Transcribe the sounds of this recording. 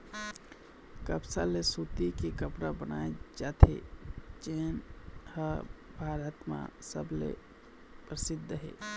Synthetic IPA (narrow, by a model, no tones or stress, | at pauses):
kəpsalesut̪ikikəpɾabənaed͡ʒat̪ʰḛt͡ʃenhəbʱaɾət̪mã̰sə̰blḛ | pɾəsid̪ʱːəɦḛ